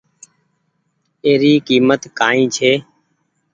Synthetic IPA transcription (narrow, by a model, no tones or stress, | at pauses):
eːɾiːkiːmət̪kaːĩːt͡ʃʰeː